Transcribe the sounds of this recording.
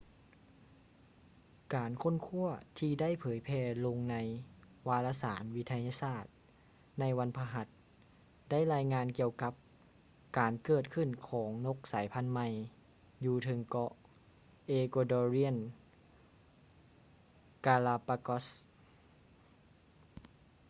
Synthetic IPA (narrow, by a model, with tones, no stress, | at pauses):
kaː˨nkʰo˥˨nkʰu˥˩ɐt̪ʰiː˧da˥˨jpʰɤː˩˦jpʰɛː˧lo˧ŋna˧j | waː˧laː˧saː˩˦nwi˦˥t̪ʰa˧jaː˧saː˥˩t̪̚ | na˧˥jwa˧˥npʰaː˧ɦa˧˦˥t̪̚ | da˥˩˨jɾaː˧jŋaː˧nki˧əwka˧˦p̚ | kaː˨nkɤː˧˩t̪̚kʰɯ˧˩˨nkʰɔː˩˦ŋno˧˥k̚saː˩˦jpʰa˧˥˨nma˧j | juː˧t̪ʰɤ˨˧˦ŋkɔ˧˥ | ʔeː˧koː˧dɔː˧ɾi˧˥ə˨n | kaː˧laː˧pa˧kɔ˦˥s